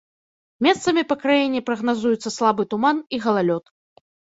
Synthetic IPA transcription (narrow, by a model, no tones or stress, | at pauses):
mʲɛst̪sɐmʲipɐkɾajɛnʲːɛpɾɐɣnazujut̪sːɐslˠabɨt̪umaniɣɐlˠalʲɔt̪